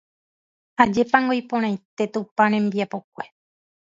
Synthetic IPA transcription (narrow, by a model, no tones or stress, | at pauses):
had͡ʒe̞paŋɡojpõɾ̃ãj̃t̪e̞t̪upãɾ̃ẽ̞mbiapokʷe̞